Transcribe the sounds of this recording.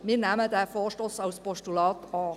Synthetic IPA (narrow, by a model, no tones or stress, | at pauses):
miːnæmədæːfoːʃtoːsɑʊspɔʃtulɑːtɑː